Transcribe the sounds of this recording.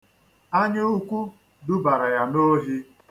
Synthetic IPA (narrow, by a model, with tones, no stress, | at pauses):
a˦ɲɪ˦u˦kʷu˦ | dʊ˦ba˨ɾa˨ja˨no˦ɦi˦